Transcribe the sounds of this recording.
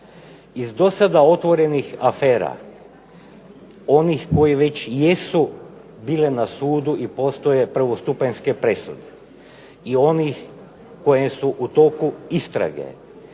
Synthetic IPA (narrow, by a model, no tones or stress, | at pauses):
izd̪o̞sad̪ao̞t̪ʋo̞ɾe̞nixafeːɾa̰ | o̞nixko̞jeʋe̞t͡ɕjesu | biːlenasuːd̪uʔipo̞ːst̪o̞jepɾ̩ʋost̪upenskepɾe̞sud̪e̥ | io̞nix | ko̞jesuʔut̪o̞kuist̪ɾa̰ɡḛ